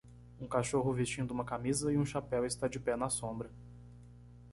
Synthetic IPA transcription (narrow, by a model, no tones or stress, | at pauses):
ũkaʃoɦʊvist͡ʃĩd̪ʊumɐkamizɐɪũʃapɛwɪst̪ad͡ʒɪpɛnɐsõbɾɐ